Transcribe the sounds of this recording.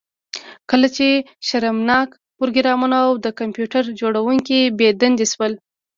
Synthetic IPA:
kəlat͡ʃe | ʃaɾamnɑk | pʊɾɡɪɾɑmanaawd̪əkampjuʈaɾd͡ʒoɽawuŋkibed̪and̪iswəl

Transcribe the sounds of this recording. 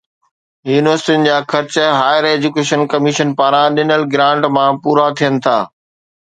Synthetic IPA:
juːnɪʋəɾsɪʈijʊnɪ̆d͡ʑaːxʰɐɾt͡ɕɦaːjəɾeːd͡ʑukeːʃənkɐmɪʃənpaːɾãɗɪnəlɡɾãːɳʈmãpuːɾat̪ʰijənɪ̆t̪ʰaː

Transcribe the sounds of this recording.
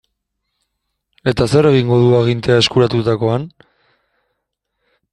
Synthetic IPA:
e̞t̪ase̞re̞ɣ̞iŋɡo̞ð̞uaɣ̞int̪e̞ae̞skuɾat̪ut̪ako̞an

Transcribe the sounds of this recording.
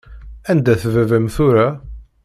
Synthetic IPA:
ænd̪æθvævæmθuɾa

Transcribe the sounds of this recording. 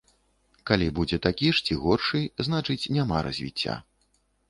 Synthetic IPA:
kalʲibud͡zʲɛt̪akʲiʂt͡sʲiɣɔrʂɨznat͡ʂɨt͡sʲnʲamaɾɐ̰zʲvʲḭt͡sʲːa̰

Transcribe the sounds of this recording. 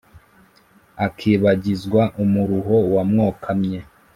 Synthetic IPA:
akʰiːβaɟizɡwaʔumuɾuɦo̞wamŋoːkʰamɲe

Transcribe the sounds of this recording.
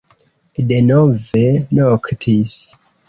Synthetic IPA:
de̞novenoktʰis

